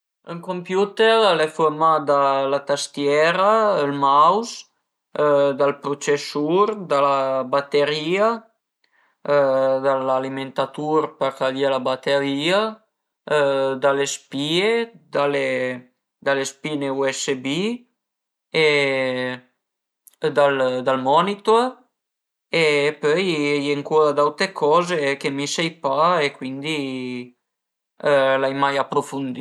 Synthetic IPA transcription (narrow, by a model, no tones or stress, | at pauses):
əŋkompjut̪eɾalefuɾmad̪alat̪ast̪jɛɾaəlmaws | d̪alpɾut͡ʃesuɾd̪alabat̪eɾia | d̪alaliment̪at̪uɾpəɾkaljelabat̪eɾia | d̪alespied̪ale | d̪alespineuɛsebi | e | d̪ald̪almɔnit̪o | epœjɛjeŋkuɾad̪awt̪ekʰɔːzekemisɛjpaekwind̪i | lajmajapːɾofund̪i